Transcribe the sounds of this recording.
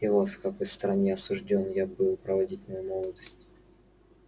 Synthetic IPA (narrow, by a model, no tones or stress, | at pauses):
ɪvo̞t̪fkɐko̞jst̪ɾɐnʲeɐsʊʐdʲo̞njabɨlˠpɾəvɐdʲitʲmɐjumo̞lˠəd̪əsʲtʲ